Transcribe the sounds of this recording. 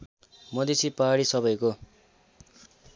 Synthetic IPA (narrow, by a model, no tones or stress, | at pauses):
mʌd̪isipaɦaɽisʌbʌjko